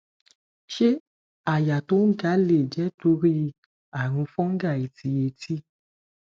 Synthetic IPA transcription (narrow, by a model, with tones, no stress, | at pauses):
ʃe˦ | a˦˨ja˨to˦ɡa˨˦le˦˨d͡ʒɛ˨˦to˧˦ɾi˦ | a˨ɾ̃ũ˧fɔ̃˦ŋ̩˦ɡa˦˨i˨tʰi˧˦je˧tʰi˦